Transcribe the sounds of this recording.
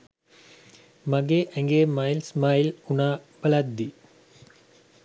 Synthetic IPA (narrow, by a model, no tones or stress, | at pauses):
mɐɡeʔæŋɡeːmajlsmailunaːbɐlɐd̪ːi